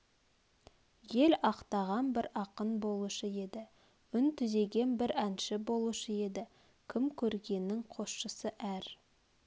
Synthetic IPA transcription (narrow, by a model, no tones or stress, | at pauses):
je̞lɑqt̪ɑʁɑnbɪɾɑqənbo̞lˠuʃəe̞d̪ɪ | ʏnt̪ʰʏze̞ɡʲe̞nbɪɾænʃɪbo̞lˠuʃəe̞d̪ɪ | kʲʰɪmkʲʰɵɾɡʲe̞nːɪŋqʰo̞sʃəsəʔæɾ